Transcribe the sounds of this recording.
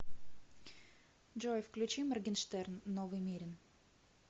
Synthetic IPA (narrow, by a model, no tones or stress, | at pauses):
d͡ʒojfklʲʉt͡ɕimərɡʲɪnʂt̪ɛrnːovɨjmʲiɾʲɪn